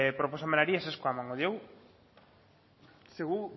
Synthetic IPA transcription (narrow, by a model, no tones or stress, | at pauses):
pɾoposamenaɾiaseskoamãŋoðjew | seɣu